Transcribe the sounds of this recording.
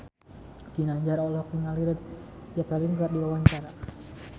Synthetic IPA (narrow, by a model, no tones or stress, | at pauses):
ɡ̥inaɲd͡ʒaɾɔlɔkiŋaliɾət̪̚d͡ʒapaliŋkardiwawaɲt͡ʃaɾa